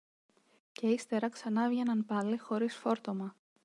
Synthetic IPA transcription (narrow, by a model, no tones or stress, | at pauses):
ce̞ist̪e̞ɾɐksɐnɐvʝe̞nɐnpɐlixo̞ɾisfo̞ɾt̪o̞mɐ